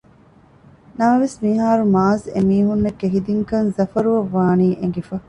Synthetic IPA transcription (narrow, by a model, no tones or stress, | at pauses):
nɐmɐʋesmiɦaːɾumaːzemiːɦunːɐkːeɦid̪iŋkɐnzɐfɐɾuʋɐʋːaːniːʔeŋ̆ɡefɐ